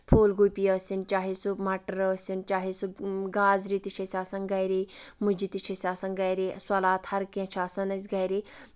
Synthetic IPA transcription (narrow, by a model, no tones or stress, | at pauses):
pʰoːlɡupijɐːsʲint͡ʃaːɦisumaʈəɾəːsʲint͡ʃaːɦisuɡaːzɾit̪it͡ʃʰɐsʲaːsɐnɡɐjɾimud͡ʒit̪it͡ʃʰɐsʲaːsɐnɡɐjɾiswɐlaːt̪hɐɾkɐ̃t͡ʃʰaːsɐnɐsʲɡɐjɾi